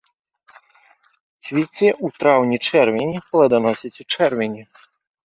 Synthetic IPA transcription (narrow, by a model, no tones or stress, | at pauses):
t͡sʲvʲit͡sʲɛʔut̪ɾawnʲit͡ʂɛrvʲɪnʲiplˠɐd̪anɔsʲit͡sʲut͡ʂɛrvʲɛnʲi